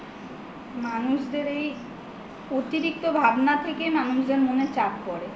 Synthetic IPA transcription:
manuʃd̪eɾej | ot̪iɾik̚t̪obʱabnat̪ʰekemanuʃd̪eɾmonet͡ɕap̚pɔɾe

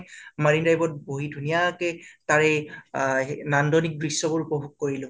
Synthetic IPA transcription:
maɹindajbɔt̚boɦidʱunijakɛtaɹɛ | nandɔnik̚bɹisːɔbuɹupɔbʱuk̚koɹilʊ̃

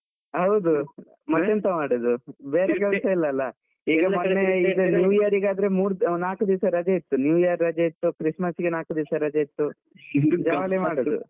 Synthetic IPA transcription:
ɦɐwd̪u | mɐt̪ːent̪ɐmaːɽod̪ubeːɾekɛlɐsɐilːɐlːɐ | iːɡɐmɐnːeid̪unjuːijɐɾiɡaːd̪ɐɾemuːɾnaːkud̪iːsɐɾɐd͡ʒɐit̪ːunjuːjiɐɾːɐd͡ʒɐit̪ːukɾismɐsɡenaːkud̪iːsɐɾɐd͡ʒɐit̪ːu | d͡ʒɐʋalemaːɽod̪ṵ

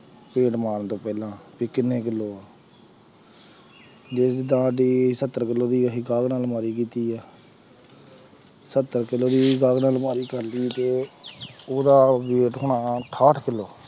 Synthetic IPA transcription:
pẽːʈmaːnt̪õːpɛːlãːpiːkɪnːeːkɪlːoːaː | d͡ʒɪsd̪ãːɖiːsət̪ːəɾkɪlːoːd̪iːɦiːɡaːɡnaːlmaːɾiːkiːt̪iːɛː | sət̪ːəɾkɪlːoːd̪iːɡaːɡnaːlmaːɾiːkəɾliːt̪eː | oːd̪aːbeːʈɦoːɳaːʈʰaːʈʰkɪlːoː

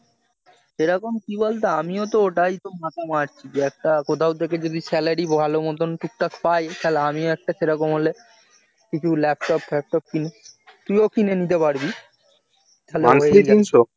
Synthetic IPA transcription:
ʃeɾɔkomkibolt̪aamiot̪̬ooʈajt̪omat̪ʰamaɾt͡ɕʰid͡ʑeɛk̚ʈakot̪ʰawd̪eked͡ʑod̪ʱisɛlaɾibʱalomɔt̪onʈuk̚ʈakpajkʰɛleamioɛk̚ʈaʃeɾɔkomɦole | kit͡ɕʰulɛp̚ʈɔplɛp̚ʈɔp̚kinet̪ujokinenit̪̬epaɾbi | kʰɛleaseinʃo

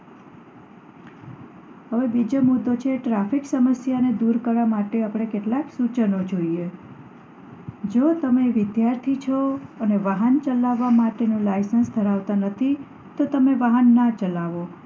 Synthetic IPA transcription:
həʋebid͡ʒomud̪ːot͡ʃʰeʈɾafiksəməsjaned̪uɾkəɾʋamaʈeapɽ̃ekeʈlaksut͡ʃənod͡ʒoie | d͡ʒot̪əmeʋɪd̪jaɾt̪ʰit͡ʃʰɔəneʋaɦənt͡ʃəlaʋːamaʈenũlajsənsd̪ʱəɾaʋt̪anət̪ʰi | t̪ot̪əmeʋaɦənːat͡ʃəlaʋo

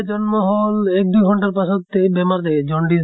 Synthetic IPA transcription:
d͡ʒɔnmɔɦɔlek̚d̪ujɡʱɔɳʈaɾpasɔt̪ːebemaɾd̪ed͡ʒɔɳɖi

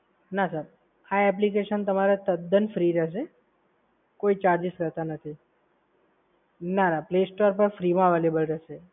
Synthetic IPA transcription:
nasəɾ | aɛp̬likeʃənt̪əmaɾet̪əd̪ənfɾiɾɛɦʃ̬e | koit͡ʃaɾd͡ʒiʃkəɾt̪anət̪ʰi | nanaplesʈoɾpəɾfɾimãʋelebəlɾɛɦʃe

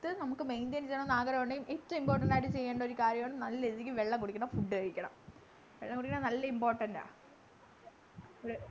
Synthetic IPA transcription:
t̪ːɨnɐmukːɨmejnd̪ɐnt͡ɕejːɐɳɐnaːɡɐɾɐmɐɳɖeŋɡumʔet̪ːɐimpo̞ːrʈːɐɳɖaːjʈːɨt͡ɕe̞jːeːɳɖɐo̞ɾukaːɾjɐmeɳːɨmnɐlːɐeðikʲːɨʋe̞ɭːɐŋkoɽukʲːuɳɐfuɖːɨkɐɻikʲːɐɳɐ̰m | ʋeɭːɐŋkoɽikʲːɐɳɐnɐlːɐimpoːrʈːɐnda̰ː

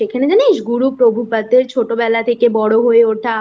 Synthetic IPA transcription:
ekʰaned͡ʑaneʃɡuɽupɾobʱupat̪ːeɾt͡ɕʰoʈobɛlat̪ʰekebɔɽoɦoeoʈʰa

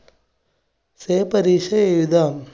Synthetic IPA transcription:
seːpɐɾiːʃɐejd̪aːm

